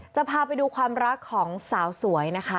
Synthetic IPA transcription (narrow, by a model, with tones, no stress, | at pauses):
t͡ɕa˨˩pʰaː˧pa˧jduː˧kʰwaː˧mɾa˦˥kʰːɔː˩˦ŋsaː˩˦wsu˨˩˦ɐjna˦˥kʰa˦˥